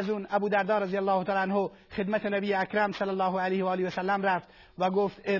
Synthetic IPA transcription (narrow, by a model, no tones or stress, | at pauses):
zuːnæbuːd̪æɾd̪ɒːɾæzijælːɑːhot̪ɑːlːænho | χed̪mæt̪ʰenæbiːjeækɾæmsælːælːɒːɦoælejhɒːliæsælːæmɾæft̪ | væɡoːft̪e